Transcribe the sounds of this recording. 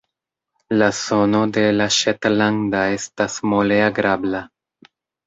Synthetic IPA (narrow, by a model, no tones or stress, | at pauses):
laso̞no̞de̞laʃetlandae̞stasmoleaɡɾabla